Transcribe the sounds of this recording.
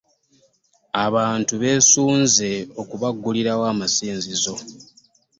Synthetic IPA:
aβaːntuβe̞ːsuːnze̞o̞kuβaɡːuliɾawaːmasiːnzizo̞

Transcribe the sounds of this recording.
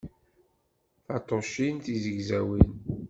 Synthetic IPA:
θɑt̪ˤːoʃint̪izəɡzæwin

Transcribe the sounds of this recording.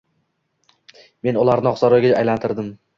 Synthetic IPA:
me̞nʊlaɾnɪɒχsɒɾɒjɡʲaajlant̪ʰɪɾd̪ɪm

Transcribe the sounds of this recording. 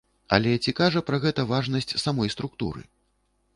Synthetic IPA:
ɐ̰lʲɛt͡sʲikaʐɐpɾɐɣɛt̪ɐvaʐnɐsʲt͡sʲsamɔjst̪ɾuk̚t̪ṵɾɨ̰

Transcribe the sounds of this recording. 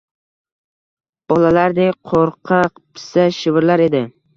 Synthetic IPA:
b̥ɒlalaɾd̪eqʰoɾqʰɑqpʰɪ̥saʃɪvɾlaɾe̞d̪ɪ

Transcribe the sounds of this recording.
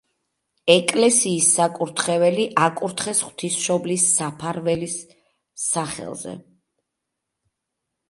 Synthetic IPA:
ɛkʼlɛsiːsːakʼuɾt̪ʰχɛvɛliʔakʼuɾt̪ʰχɛsχwt̪ʰisʃɔblisːapʰaɾvɛlisː | aχɛ̰lˠzɛ̰

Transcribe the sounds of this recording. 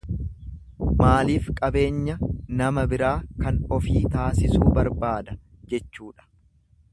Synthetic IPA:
maːliːfkʼɐbe̞ːɲːɐnɐmɐbɪɾaːkɐnɔfiːt̪aːsɪsuːbɐɾbaːd̪ɐ | d͡ʒɛt͡ʃːuːᶑɐ̥

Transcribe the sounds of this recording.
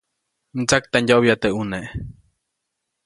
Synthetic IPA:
t͡sak̚t̪anjoβjat̪eʔuneʔ

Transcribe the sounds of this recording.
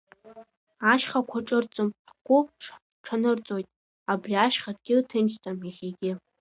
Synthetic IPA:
aʃχakʷʰaʈ͡ʂʼɨrt͡sʼomħχʷʊ | ʈ͡ʂʰanɨrt͡sʼo̞jtʼ | abriaʃχadɡʲɪtʰɨnt͡ʃtʰʼamjaχʲeɡʲɪ

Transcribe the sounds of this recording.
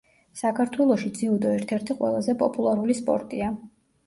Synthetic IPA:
sakʰaɾt̪ʰwɛlˠɔʃid̪ziud̪ɔɛɾt̪ʰɛɾt̪ʰiqʼwɛ̰lˠazɛpʼɔpʼulˠaɾulispʼɔ̰ɾt̪ʼia

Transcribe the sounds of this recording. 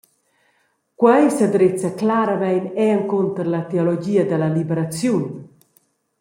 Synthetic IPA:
kwɛjsad̪ɾet͡saklaɾamɛjnɛaŋkont̪əɾlat̪eɔlɔd͡ʒiːad̪əlalibɛɾat͡sjun

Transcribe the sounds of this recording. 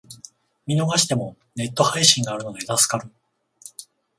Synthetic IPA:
mʲino̞ɡaɕi̥t̪e̞mo̞ | ne̞t̪ːo̞haiɕĩŋɡaːɾɯ̟no̞ɡ̪ed̪asɨ̥kaɾɯ̟

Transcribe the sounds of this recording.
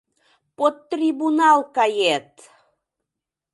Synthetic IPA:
pot̪ːrʲibunɑlˠkɑjet̪

